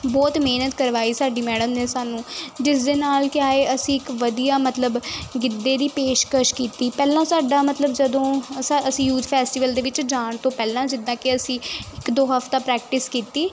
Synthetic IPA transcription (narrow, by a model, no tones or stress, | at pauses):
bɔːt̪meːnət̪kəɾʋaːiːsaːɖiːmɛːɖəmnẽːsaːnũːd͡ʒɪsd̪eːnaːlkɪjaːeːʔəsĩːɪkʋəd̪ijaːmət̪ləbɡɪd̪ːeːd̪iːpeːʃkəʃkiːt̪iːpɛːlãːsaːɖaːmət̪ləbd͡ʒəd̪õːsaəsĩːjuːt̪ʰpʰɛːsʈɪʋəld̪eːʋɪt͡ʃd͡ʒaːɳt̪õːpɛːlãːd͡ʒɪd̪ãːkɪəsĩːɪkd̪oːɦəft̪aːpɾɛːk̚ʈɪskiːt̪iː